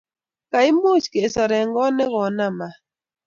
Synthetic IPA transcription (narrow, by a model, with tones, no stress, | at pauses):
ka˨ɪ˦mo˦˨t͡ʃke˨sɔ˨ɾɛ˨ŋɡɔ˦nɛ˦ɣɔ˨na˦ma˨